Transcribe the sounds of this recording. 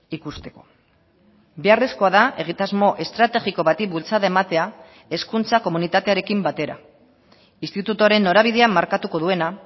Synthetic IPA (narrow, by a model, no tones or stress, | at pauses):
ikust̪e̞̥ko̞̥ | be̞are̞sko̞aðae̞ɣ̞it̪azmo̞ʔe̞st̪ɾat̪e̞ɣiko̞βat̪ibult͡saðae̞mat̪e̞a | e̞skunt͡sako̞munit̪at̪e̞aɾe̞kimbat̪e̞ɾa̰ | inst̪it̪ut̪oaɾe̞nːo̞ɾaβiðe̞amːaɾkat̪uko̞ð̞ue̞na